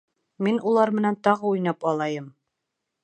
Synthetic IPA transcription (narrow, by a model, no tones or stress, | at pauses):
minʔulˠɑɾmɘ̆nænt̪ɒʁɤujnɑpɑlˠɑjɤm